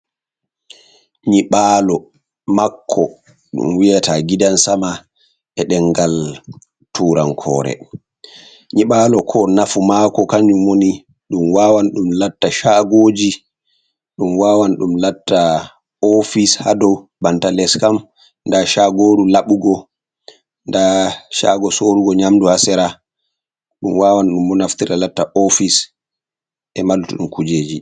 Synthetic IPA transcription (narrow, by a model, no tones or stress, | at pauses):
ɲiɓaːlɔ | makʰːɔ | ɗṵmwijataɡidansama | ɛɗɛŋɡal | tʰuːɾankʰɔ̰ːɾɛ̰ | ɲiɓaːlɔkʰɔnafumaːkɔkaɲumːoni | ɗumwaːwanɗumlatːaʃaɡoːd͡ʒi | ɗumwaːwanɗumlatːa | ofishadɔwbantalɛskam | ndaʃaɡoːɗulaɓuɡɔ | ndaʃa̰ːɡɔsoːɾuɡɔɲamduhasɛɾa | ɗumwaːwanɗumːɔnaftiɾalatːaʔofis | ʔɛmalutuɗumkud͡ʒeːd͡ʒi